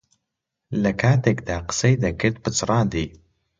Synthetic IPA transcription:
lɐkʰaːt̪ekd̪aːqə̥sejd̪ɐkʰɨɾd̪̚pɨt͡sɨɾˤɑ̃ːnd̪iː

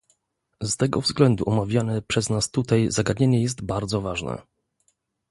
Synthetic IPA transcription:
st̪ɛɡɔvzɡlɛnd̪uʔɔmavʲjanɛpʂɛznast̪ut̪ajzaɡad̪ɲeɲɛjɛs̬t̪baɾd̪zɔvaʐnɛ̰

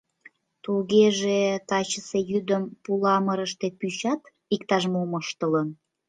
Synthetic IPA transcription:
t̪ulɣeʒet̪ɑt͡ɕəsejyd̪əmpulɑməɾəʃt̪epyɕɑt̪ | ikt̪ɑʃmoməʃt̪ələn

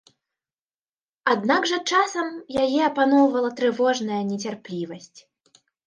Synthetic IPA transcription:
ad̪naɡʐɐt͡ʂasɐmjajɛɐpanɔwvɐlˠɐt̪ɾɨvɔʐnɐjɐnʲɛt͡sʲarplʲivɐsʲt͡sʲ

